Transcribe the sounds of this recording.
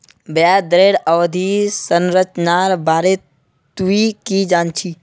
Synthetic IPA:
bad̪ɾeːɽəwd̪ʱisənɾət͡ʃnaɾbaːɾe | t̪uikid͡ʒaːnt͡ʃʰi

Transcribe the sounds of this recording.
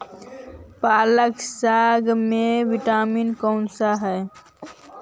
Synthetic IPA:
paːləksaɡmẽʋiʈaːminkɔːnsaɦɛː

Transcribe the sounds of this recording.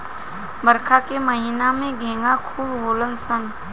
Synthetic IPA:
bəɾkʰakemɐɦinamẽɡʱẽːŋɡakʰuːbɦoːlənsən

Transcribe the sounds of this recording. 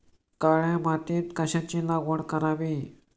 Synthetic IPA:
kaɭjãmat̪iːt̪kəɕãt͡ɕĩlaɡʋəɳkəɾaʋi

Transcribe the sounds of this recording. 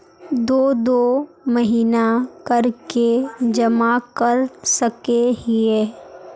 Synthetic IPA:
d̪oːd̪oː | məɦiːnakɐɾked͡ʒɐmakɐɾsəkeɦieː

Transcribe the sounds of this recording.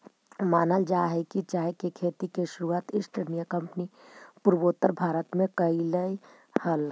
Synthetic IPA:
maːnəld͡ʒaːɦɛkit͡ʃaːɦekekʰeːt̪ikeʃʊɾuaːt̪ɪsʈəɾnijəkɐ̃mpnipʊɾboːt̪əɾbʱaːɾət̪mẽkəiləi | həl

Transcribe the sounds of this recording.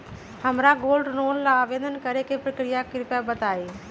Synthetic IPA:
həmɾaɡoːlɖɾoːnlaaːʋeːd̪ənkəɾekepɾəkɾijakɪɾpjabət̪aːeː

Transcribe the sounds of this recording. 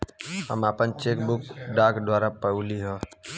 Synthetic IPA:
ɦə̰maːpənt͡ʃeːkbʊkɖaːkd̪ʱwaːɾapəuːliɦoː

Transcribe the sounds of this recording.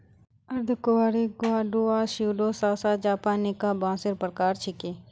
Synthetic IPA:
ɐɾd̪ʱkʊwaːɾiɡʊaːɖuaʃuːɖoːsaːsad͡ʒaːpaːnikabãːsɪɾpɾkaːɾt͡ʃʰɪkeː

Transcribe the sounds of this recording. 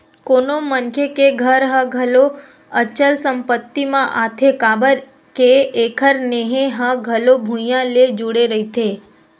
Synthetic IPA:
konomənkʰekeɡʱəɾɦə̃ɡʱəlo | ət͡ʃəlsəmpət̪ːimãʔat̪ʰekabəɾ | keːkʰəɾneɦẽɦə̃ɡʱəlobʱũjãled͡ʒuɽeɾəɦit̪ʰe

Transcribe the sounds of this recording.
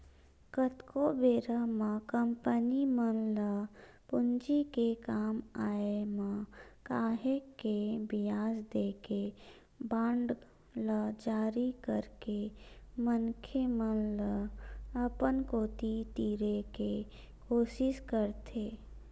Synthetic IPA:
kət̪kobeːɾəmãkəmpənimənlə | pʊnd͡ʒikekaːmaːemãkaːɦekebɪjaːzd̪eːke | bãːɳɖ | ləd͡ʒaːɾikəɾkemənkʰemənləəpənkoːt̪it̪iːɾeke | koːʃɪʃkəɾt̪ʰeː

